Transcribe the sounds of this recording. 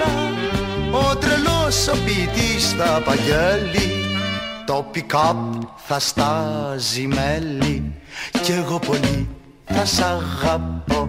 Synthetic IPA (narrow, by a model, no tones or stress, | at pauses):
ot̪ɾelosːɐpit̪isθɐpɐʝeli | t̪opikɐp̚θɐst̪ɐzimelːiceɣopo̞li | θɐsɐɣɐpːo